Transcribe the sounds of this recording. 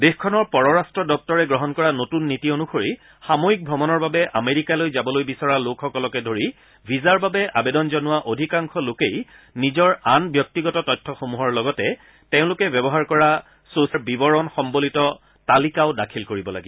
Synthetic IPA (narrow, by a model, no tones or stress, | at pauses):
dexkʰɔnɔɹpɔɹɔɹastɹɔdɔk̚tɔɹɛɡɹɔɦɔnkɔɹanotunːitionuxoɹi | xamoik̚bʱɹɔmɔnɔɹbabɛʔameɹikalojzabɔlojbisɔɹalokʰxɔkɔlɔkɛdʱoɹi | bʱizaɹbabɛʔabedɔnzɔnʊwaʔodʱikaŋkʰɔlokej | nizɔɹanbjɔk̚tiɡɔtɔtɔjtʰːɔxomuɦɔɹlɔɡɔtɛ | tẽʊ̃lʊkɛbjɔbɔɦaɹkɔɹa | sosaɹbibɔɹɔnxɔmbolitɔ | talikaʊdakʰilkoɹibɔla̰ɡiɔ